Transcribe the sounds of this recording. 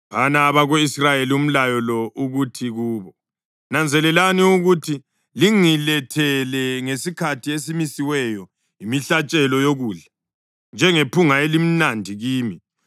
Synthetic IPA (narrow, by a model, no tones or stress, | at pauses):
βanaːβaɣoisrajelium̩lajɔlɔʔuɣutʰiɣuːβɔ | nand͡zʱɛlɛlaniuɣutʰi | liŋilɛtʰɛlɛŋesikʰatʰies̬imisiwɛjɔ | imiɬat͡ʃʼɛlɔjoɣuːɮa | nd͡ʒʱɛŋepʰuŋaelim̩nandʱiɣiːmi